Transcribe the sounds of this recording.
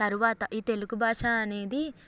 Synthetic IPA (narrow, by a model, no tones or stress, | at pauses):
t̪ɐɾuʋaːt̪ɐʔiːt̪e̞luɡubʱaːʂaːɐne̞ːd̪i